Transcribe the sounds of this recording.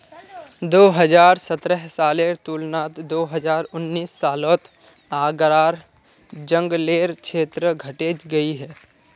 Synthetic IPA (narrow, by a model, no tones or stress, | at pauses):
d̪oːɦəd͡ʒaːɾsət̪ɾəɦsaːleːɾt̪uːlnaːt̪d̪oːɦəd͡ʒaːɾʊnːiːsːaːloːt̪ | aːɡɾaːɾ | d͡ʒə̃ŋɡleːɾkʃʰeːt̪ɾəɡʱɐʈeːd͡ʒɡɐiɦɛː